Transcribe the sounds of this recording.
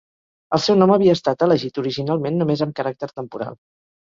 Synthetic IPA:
əlˠsɛwnɔməβiəːst̪at̪ələʒit̪uɾiʒinalˠmenːumezəmkəɾak̚t̪əɾt̪əmpuɾa̰lˠ

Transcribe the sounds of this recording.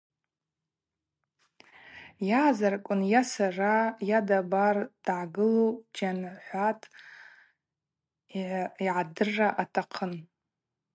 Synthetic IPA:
jaːzarkʷʼʊnjasarajadabard̥ʕaɡɨlod͡ʒanħʷatʼ | ʕiʕadɨrːaʔatʰaqʰən

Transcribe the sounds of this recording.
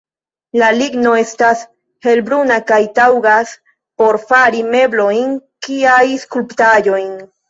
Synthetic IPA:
laliɡno̞e̞stas | he̞lbɾunakajtawɡas | po̞ɾfaɾime̞blo̞jnkiajskulptaʎo̞jn

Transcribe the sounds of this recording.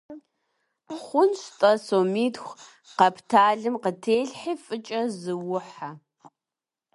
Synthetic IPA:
χʷʊnɕtʼɐsoːmiːtxʷ | qɐpʰtʰaːɮɨmqətʰeːɮħifʼɨt͡ʃʼɐzɨwʊħa

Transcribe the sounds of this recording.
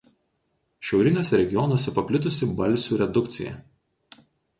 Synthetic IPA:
ʃʲɛʊɾʲɪnʲoːsʲɛɾʲɛɡʲɪjɔnɔːsʲɛpɐpʲlʲɪt̪ʊsʲɪbɐlʲˑsʲuːɾʲɛd̪ʊkt̪sʲɪ̰jɛ̰

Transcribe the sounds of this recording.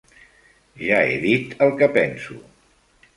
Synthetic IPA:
ʒaḛðit̪əlˠkəpɛnsṵ

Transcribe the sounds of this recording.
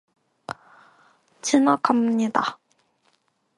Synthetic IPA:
t͡ɕʰinakʰamɲid̪a

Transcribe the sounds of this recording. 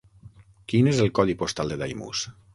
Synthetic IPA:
kinezelˠkɔðipost̪alˠd̪ed̪ajmṵs

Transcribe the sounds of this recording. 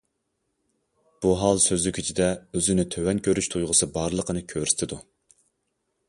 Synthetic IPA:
b̥uɦɑlˠsøzlykʲʰyt͡ʃʰid̪ɛøzɪnɪt̪ʰøwɛnkʲʰøɾyʃt̪ʰujʁəsɨbɑɾlˠəqʰənɨkʲʰøɾyst̪ʰɪd̪u

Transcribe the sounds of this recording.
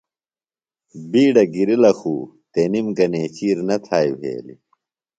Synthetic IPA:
biːɖɐɡiɾilɐxuː | t̪eːnimɡɐneːt͡ɕiːɾnɐt̪ʰaːibʱḛːlḭ

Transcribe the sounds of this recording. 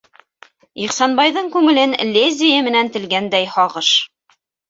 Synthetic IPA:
iχsɑnbɑjðɤɴkʉŋɘ̆lɘnlʲezʲɪjɘmɘ̆nænt̪ɘ̆lɡænd̪æjhɑʁɤʃ

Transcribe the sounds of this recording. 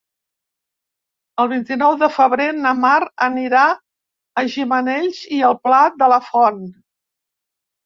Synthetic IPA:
əlˠβ̞int̪inɔwðəfəβɾenəmaɾəniɾa | əʒimənɛʎziəlˠplat̪̚d̪ələfɔn

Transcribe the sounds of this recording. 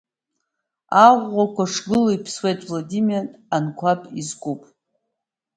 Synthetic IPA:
aʁʷːakʷaʂɡɨlaipʰswe̞jtʼvlodimaankʷʰapʰʼizkʷʼupʼ

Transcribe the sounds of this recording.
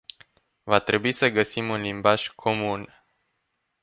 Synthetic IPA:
vat̪ɾe̞buisəɡəsimunlimbaʒkʰo̞mun

